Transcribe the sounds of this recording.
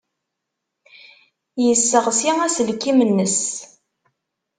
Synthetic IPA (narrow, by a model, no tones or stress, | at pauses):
jəsːəʁsiæsəlkːimənːəs